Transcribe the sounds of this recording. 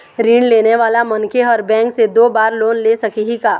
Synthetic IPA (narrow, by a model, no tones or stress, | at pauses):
ɾiːɳleːneʋaːlamɐnkeɔːɾbɛ̃ːŋksed̪oːbaːɾloːnleːsɐkiɦikaː